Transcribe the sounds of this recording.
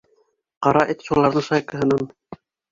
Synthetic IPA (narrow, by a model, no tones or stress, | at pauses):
qɑɾɑʔet̪ʃulˠɑɾðɤɴʃɑjkɤ̆ɦɤ̆nɑn